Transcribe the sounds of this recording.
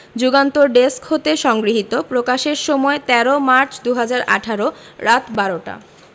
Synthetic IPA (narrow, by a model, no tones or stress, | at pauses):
d͡ʑuɡant̪oɾɖeskhot̪eʃɔŋɡɾiɦit̪opɾokaʃeɾʃɔmɔet̪ɛɾomaɾt͡ɕd̪uɦad͡ʑaɾʔa̰ʈʰaɾo | ɾat̪baɾoʈa̰